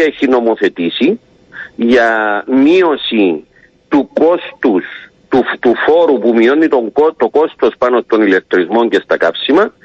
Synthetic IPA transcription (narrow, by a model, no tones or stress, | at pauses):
eçino̞mo̞θe̞t̪isi | ʝɐmio̞si | t̪uko̞st̪us | t̪ut̪ufo̞ɾupumio̞nit̪o̞ŋɡot̪o̞ko̞st̪o̞spɐno̞st̪o̞nile̞k̚t̪ɾizmo̞ɲce̞st̪ɐkɐpsimɐ